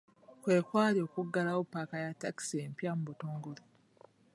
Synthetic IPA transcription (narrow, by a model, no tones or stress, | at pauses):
kwe̞ːkwaːljo̞kuɡːalawopːakajatːaki̥seːmpjamubuto̞ːŋɡoli